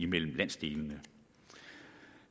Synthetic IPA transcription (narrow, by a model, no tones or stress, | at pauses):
imel̰m̩læn̰sd̥e̝̰ːlnə